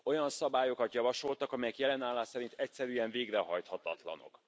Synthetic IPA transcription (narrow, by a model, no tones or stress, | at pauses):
o̞jɒnsɒbaːjo̞kɒt̪jɒvɒʃo̞lt̪ɒkɒmɛjɛkjɛlɛnaːlːaːsɛɾint̪ɛcsɛɾyːɛɱveːɡrɛɦɒjt̪hɒt̪ɒt̪lɒ̰no̞̰k